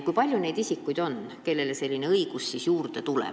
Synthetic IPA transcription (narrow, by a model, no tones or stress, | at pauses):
kujpɑlʲjune̞jd̪̥isikːˑujd̪̥o̞n | ke̞lːe̞lese̞lʲːine̞ɤiɡ̥usːisjuːrd̪̥e̞t̪ulḛ